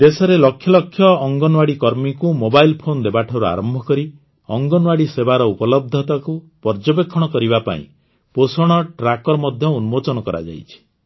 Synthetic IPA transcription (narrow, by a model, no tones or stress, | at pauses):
d̪esɔɾelɔkʰːjɔlɔkʰːjɔːŋɡɔnwaɽikɔɾmikumobajlpʰond̪ebaʈʰɔɾua̰ɾɔmbʱɔkɔɾi | ɔŋɡɔnwaɽisebaɾɔupɔlɔb̚d̪ʱɔt̪aku | pɔɾd͡ʒɔbekʰːɔɽ̃ɔkɔɾibapa̰ḭ̃ | posɔɽ̃ɔʈɾakɔɾɔmɔd̪ʱjɔunumot͡ʃɔnɔkɔɾa̰d͡ʒa̰jt͡ʃʰi̥